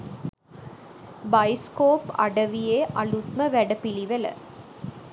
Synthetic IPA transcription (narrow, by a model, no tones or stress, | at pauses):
bɐjskoːpɐ̰ɽɐʋijeːʔɐlut̪mɐʋæɽɐpiɭiʋɐlɐ̰